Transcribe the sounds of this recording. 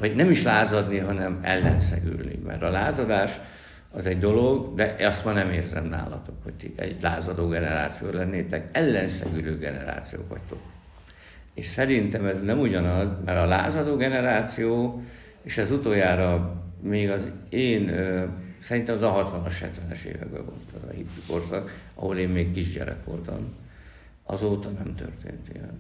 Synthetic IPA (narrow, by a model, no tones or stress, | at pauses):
vɒɟnɛmiʃlaːzɒd̪niɦɒnɛmɛ̰lːɛnsɛ̰ɡy̰lnḭmɛ̰rɾt̪ɒlaːzɒd̪aːʃ | ɒzɛɟd̪o̞lo̞ɡd̪ɛʔɒst̪mɒnɛmeːrzɛ̰mna̰ːlɒ̰t̪o̞kho̞̰ct̪iɛ̰ɟlaːzɒd̪oːɡɛnɛɾa̰ːt̪sijo̰ːlɛnːeːt̪ɛkɛlːɛnsɛ̰ɡyløːɡɛnɛ̰ɾa̰ːt̪sijo̰ːkʋɒ̰ct̪o̞k | eːʃsɛɾint̪ɛmɛznɛmuɟɒnɒzmɛɾɒla̰ːzɒd̪oːɡɛnɛɾaːt̪sijoː | eːʃɛzut̪oːjaːɾɒmeːɡɒzeːnøsɛɾint̪ɛmɛzɒɦɒt̪ʋɒnoʃhɛt̪ʋɛnɛʃḛːvɛ̰ɡbɛ̰vo̰lt̪ɛzɒ̰hip̪ːyko̞rsɒɡɒ̰ɦo̞leːmmeːkkiʒɟɛ̰ɾɛ̰kʋo̞̰lt̪ɒm | ɒzoːt̪ɒnɛmt̪ø̰rt̪ḛːnt̪ijɛn